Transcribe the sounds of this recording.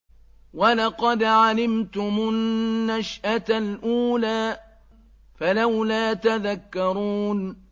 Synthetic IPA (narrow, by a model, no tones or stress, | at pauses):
walɑqɑd̪ʕalɪmt̪ʊmʊnːaʃʔat̪alʔuːlaː | falawlaːt̪aðakːɑɾuːn